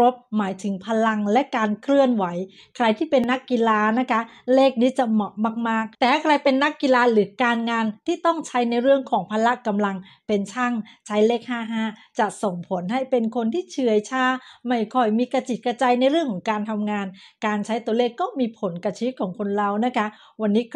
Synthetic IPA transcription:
ɾo˦˥p̚maː˩˦jt̪ʰɯ˩˦ŋpʰa˧la˧ŋlɛ˦˥ʔkaː˧nkʰɾɯ˥˩ənwa˩˦j | kʰɾa˧jt̪ʰiː˥˩pe˧nːa˦˥kːi˧laː˧na˦˥kʰa˦˥ | leː˥˩k̚niː˦˥t͡ɕa˨˩mɔ˨˩˦maː˧˩k̚maː˥˩k̚t̪ɛː˨˩a˥˩kʰɾa˧jpe˧nːa˦˥kːi˧laː˧ɾɯː˩˦kaː˧nŋaː˧nt̪ʰiː˥˩t̪ɔ˥˩ŋt͡ɕʰa˦˥jna˧jɾɯ˥˩əŋkʰɔː˩˦ŋpʰaː˧la˦˥ka˧mla˧ŋ | pe˧nt͡ɕʰa˥˩ŋt͡ɕʰa˦˥jleː˥˩k̚haː˥˩ɦaː˥˩t͡ɕa˨˩ʔso˨˩ŋpʰo˩˦nɦa˥˩jpe˧nkʰo˧nt̪ʰiː˥˩t͡ɕʰɯ˧əjt͡ɕʰaː˦˧˥ma˥˩jkʰɔ˧˩jmiː˧ka˧t͡ɕi˨˩kɾa˧t͡ɕaː˧jna˧jɾɯ˥˩ŋkʰɔː˩˦ŋkaː˧nt̪ʰa˧mŋaː˧nkaː˧nt͡ɕʰa˦˥jt̪u˧əleː˥˩kːɔː˥˩miː˧pʰo˩˦nkɾa˧t͡ɕʰi˦˥t̚kʰːɔː˩˦ŋkʰo˧nɾa˧wna˦˥kʰa˦˥ | wa˧nːiː˦˥

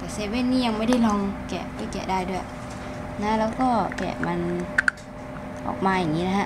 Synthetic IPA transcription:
k̪a˨˩se˧˦˥weː˧˩˨nːiː˧˨a˧ŋmaː˧˨da˧˩˨jlɔ˧ŋkɛ̰˨˩ba˧˩˨kɛ̰˧˨˩daː˧˩jdu˧˩˨ | na˧˥lɛː˧˥wkɔː˧˩kɛ̰ː˨˩ma˧˥n | ʔɔ̰ː˨˩k̚maː˧ja˨˩ŋːiː˦˧˥la˧hɦa˧˨

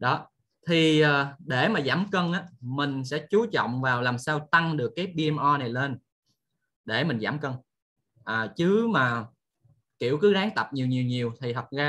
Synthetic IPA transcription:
ɗɔ˨˦ | t̪ʰi˨˩ʔaː˨˩ɗe˧˩maː˨˩zaː˧˩mkə˧nʔaː˨˦mï˨˩ŋ̟sɛ̰˧˥t͡ɕu˨˦t͡ɕɔ̰˧˨wŋ͡mvaː˨˩wlaː˨˩msaː˧wt̪a˧ŋɗɨ˨˩əkːaː˨˦jɓi˧ʔɛ˧mʔɔ˧na˨˩jle˧n | ɗe˧˩mï˨˩ŋ̟zaː˧˩mkə˧n | ʔaː˨˩t͡ɕɨ˨˦maː˨˩ | ki˧˩əwkɨ˨˦ɗaː˨˦ŋt̪ə˨˩p̚ɲi˨˩wɲi˨˩əwɲi˨˩əwt̪ʰi˨˩t̪ʰə˨˩t̚ɣaː˧

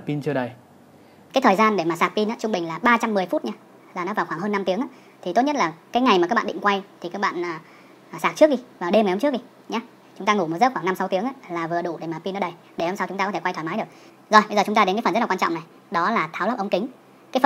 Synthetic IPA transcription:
pi˧nt͡ɕɨ˧əɗə˨˩j | kaː˨˦jt̪ʰːjzaː˧nɗe˧˩maː˨˩saː˨˩k̚pi˧nʔaː˨˦˥t͡ɕʊ˧ŋ͡mɓï˨˩ŋ̟laː˨˩ɓaː˧t͡ɕa˧mːɨ˨˩əjfu˦˥t̚ɲaː˧ | zaː˨˩nɔ˨˦vaː˨˩wxwaː˧˩ɦəː˧nːa˧mt̪i˨˦əŋaː˧˦ | t̪ʰi˨˩t̪o˦˥t̚ɲə˦˥t̚laː˨˩kaː˨˦jŋa˨˩jmaː˨˩kaː˦˥ɓ̰ːɗḭ˧˨ŋkwa˧jt̪ʰi˨˩kaː˦˥k̚ɓa̰ː˧˨nʔː | saː˨˩k̚t͡ɕɨ˦˥ək̚ɗi˨˩vaː˨˩wɗe˧m˨˩hə˧t͡ɕɨ˦˥k̚ɗi˨ | ɲaː˨˦ | t͡ɕʊ˨˦ŋ͡mt̪aː˧ŋu˧˩m˨˩t̚zə˦˥xwaː˧˩ŋna˧msa˨˦wt̪i˨˦əŋʔaː˧˦laː˨˩vɨ˨˩əɗu˧˩ɗe˧˩maː˨˩pi˧nɔ˨˦ɗə˧˩j | ɗe˧˩ho˧msa˧wt͡ɕʊ˨˦ŋ͡m̪aː˧˨˦tʰe˧˩kwa˧jt̪ʰaː˨˩maː˨˦jɗək̚ | zo˨˩jɓə˧zəː˨˩t͡ɕʊ˨˦ŋ͡m̪aː˧e˨˦nkaː˨˦fə˨nztlːwa˧t͡ɕɔ̰˧˨ŋ͡mna˨˩j | ɗɔ˨˦laː˨˩t̪ʰa˨˦wlaː˦˥p̚ʔə˧wŋ͡mkï˨˦ŋ̟ | kaː˨˦jfə˨˩n

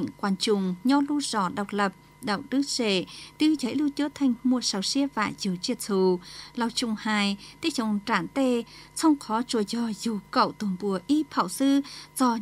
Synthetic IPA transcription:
ŋ̟kwaː˨˩nt͡ɕʊ˨ŋ͡mɲɔ˧lu˧z̥ɔ˨˧˩ɗə˨˩wk͡p̚lə˨˩p̚ | ɗə̰˧˨wɗ̪ɨ˦˥zḛ˧˩˨t̪ɨ˧t͡ɕə˨˦jlu˧t͡ɕɨ˨˦t̪ʰa˨˩jŋ̟mu˨˩əsa˨˩wsi˧əva̰ː˧˨jzɨ˨˦wt͡ɕi˧˩t̚t̪ʰu˧˩la˨˩wt͡ɕʊ˧˩ŋ͡mhaː˨˩jt̪i˦˥t͡ɕə˧˨ŋ͡mt͡ɕaː˧˩nt̪e˧˩sɔ˧wŋ͡mxɔ˨˦t͡ɕu˧˩zɔ˧˩zu˨˩kə̰˧˨wt̪u˨˩nbu˨˦əʔi˧pʰa˧˩˨wsɨ˧zɔ˧˩

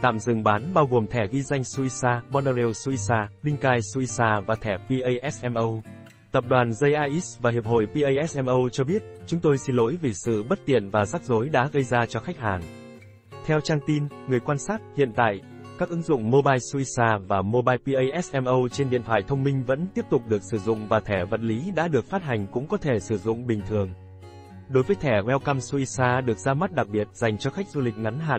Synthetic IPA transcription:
t̪a̰ː˧˨mzɨ̰˨˩ŋɓaː˨˦nɓaː˧wɣo˨˩mt̪ʰɛ˧˩ɣi˧za˧jŋ̟su˧ʔi˧saː˧ɓɔ˧na˧lɛ˧wsu˧ʔi˧saː˧lï˧ŋ̟kaː˧jsu˧i˧saː˧vaː˨˩t̪ʰɛ˧˩pi˧ʔə˧jʔɛ˦˥sʔɛ˧mʔə˧w | t̪ə˨˩p̚ɗwaː˨˩nzə˧jʔaː˧ʔi˦˥svaː˨˩hi˨˩əp̚ho̰˧˨jpi˧ʔə˧jʔɛ˦˥s̚ʔɛ˧mʔə˧wt͡ɕɔ˧ɓi˦˥ət̚t͡ɕʊ˨˦ŋ͡mt̪o˧jsi˧nlo˨˦jvi˨˩sɨ̰˧˨ɓə˦˥t̚t̪ḭ˧˨ənvaː˨˩zaː˦˥k̚zo˨˦jɗa̰ː˧˥ɣə˧jzaː˧t͡ɕɔ˧xa˦˥jk̟̚haː˨˩n | t̪ʰɛ˧wt͡ɕaː˧ŋt̪i˧nŋɨ˨˩əjkwaː˧nsaː˦˥t̚hḭ˧˨ənt̪a̰ː˧˨j | kaː˦˥k̚ʔɨ˨˦ŋzʊ̰˧˨ŋ͡mmo˧ɓaː˧jsu˧i˧saː˧vaː˨˩mo˧ɓaː˧jpi˧ʔə˧jʔɛ˦˥sʔɛ˧mʔə˧wt͡ɕe˧nɗḭ˧˨ənt̪ʰwa̰ː˧˨jt̪ʰə˧wŋ͡mmï˧ŋ̟və̰˧˥nt̪i˦˥əp̚t̪ʊ˨˩k͡p̚ɗɨ˨˩ək̚sɨ˧˩zʊ̰˧˨ŋ͡mvaː˨˩t̪ʰɛ˧˩və̰˧˨nli˨˦ɗa̰ː˧˥ɗɨ˨˩ək̚faː˦˥t̚ɦa˨˩jŋ̟kʊ̰˧˥ŋ͡mkɔ˨˦t̪ʰe˧˩sɨ˧˩zʊ̰˧˨ŋ͡mɓï˨˩ŋ̟t̪ʰɨ˨˩əŋ | ɗo˨˦jvəː˨˦jt̪ʰɛ˧˩ŋwɛ˧wka˧msu˧ʔi˧saː˧ɗɨ˨˩ək̚zaː˧ma˦˥t̚ɗa˨˩k̚ɓi˨˩ət̚za˨˩jŋ̟t͡ɕɔ˧xa˦˥jk̟̚zu˧lï˨˩k̟̚ŋa˨˦nɦa̰ː˧˨n

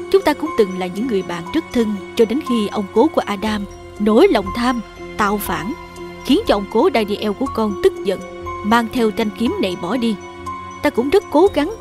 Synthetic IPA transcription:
t͡ɕʊ˨˦ŋ͡mt̪aː˧kʊ̰˧˥ŋ͡mt̪ɨ˨˩ŋla̰ː˨˩jɲɨ̰˧˥ŋːɨ˨˩əjɓa̰ː˧˨nzɨ˦˥ək̚t̪ʰɨ˧ŋt͡ɕɔ˧ɗe˨˦nxi˧ʔə˧wŋ͡mko˨˦ku˧˩əʔaː˧ɗaː˧m | no˨˦jlə˨˩wŋ͡mt̪ʰaː˧m | t̪a̰ː˧˨wfaː˧˩n | xi˨˦ənt͡ɕɔ˧ʔə˧wŋ͡mko˨˦ɗaː˧jɗi˧ʔɛ˧wku˧˩əkɔ˧nt̪ɨ˦˥k̚zə̰˧˨n | maː˧ŋt̪ʰɛ˧wt͡ɕa˧jŋ̟ki˨˦əmnḛ˨˩jɓɔ˧˩ɗi˧ | t̪aː˧kʊ̰˧˥ŋ͡mzə˦˥t̚ko˨˦ɣa˨˦ŋ

